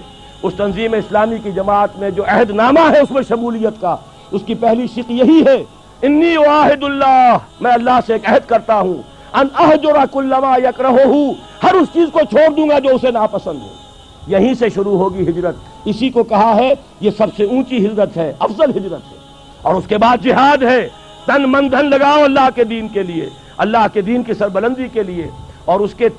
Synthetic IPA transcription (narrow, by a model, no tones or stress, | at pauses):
ʊst̪ɐnziːmeɪslaːmikid͡ʒɐmaːt̪mẽd͡ʒoːʔɛɦd̪naːmaɦɛʊsmẽʃɐmuːlijːət̪kaː | ʊskipɛɦliʃɪqjɐɦiɦɛː | ɪnːiːwaːɦɪd̪ʊlːaːɦmɛ̃ːɐlːaɦseeːkɛɦd̪kɐɾt̪aɦũː | ɐnɐɦd͡ʒʊɾakʊlːɐmaːjɐkɾɐɦoɦu | hɐɾʊst͡ʃiːzkot͡ʃʰoːɾd̪ũːŋɡad͡ʒoːʊsenaːpɐsə̃nd̪ɦo̰ː | jɐɦĩseʃʊɾuɦoːɡiɦɪd͡ʒɾət̪̚ | ɪsikokɐɦaɦɛ | jesɐbseũːt͡ʃiɦɪd͡ʒɾət̪ɦɛɐfzəlɦɪd͡ʒɾət̪ɦɛ | ɔːɾʊskebaːd̪̚d͡ʒɪɦaːd̪ɦɛː | t̪ɐnmɐ̃nd̪ʱənlɐɡaːoɐlːaːɦked̪iːnkeliḛ | ɐlːaːɦked̪iːnkisɐɾbɐlə̃nd̪ikelie | ɔːɾʊske